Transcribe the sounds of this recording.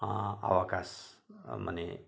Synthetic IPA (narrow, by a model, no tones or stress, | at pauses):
a̰ʋakasmə̰nḛ